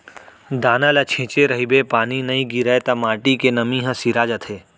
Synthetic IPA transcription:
d̪aːnəlɐt͡ʃʰẽːt͡ʃeɾɐɦibepaːninɐĩɡiɾet̪ɐmaːʈikenɐmĩːɦə̃siɾaːd͡ʒɐt̪ʰeː

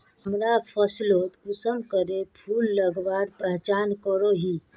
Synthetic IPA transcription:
ɦəmɾapʰəsloːt̪kusəmkəɾepʰuːlːəɡbaːɾpəɦt͡ʃaːnkəɾoɦiː

